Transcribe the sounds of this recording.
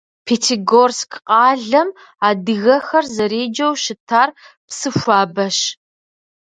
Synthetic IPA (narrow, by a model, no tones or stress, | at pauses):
pʰeːtʰiɡorskʰqʼɑːɮɐm | aːdɨɣɐxɐrzɐɾeːd͡ʒɐwʃɪtʰaːr | psɨfʷaːbɐʃ